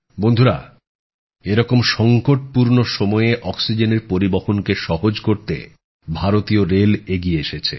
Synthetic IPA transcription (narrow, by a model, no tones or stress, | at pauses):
bond̪ʱuɾa | eɾɔkomʃɔŋkoʈ̚puɾnoʃɔmɔeeʔɔksid͡ʑeneɾpoɾiboxonkeʃɔɦod͡ʑkoɾt̪ḛ | bʱaɾot̪ioɾeleɡieeʃet͡ɕʰḛ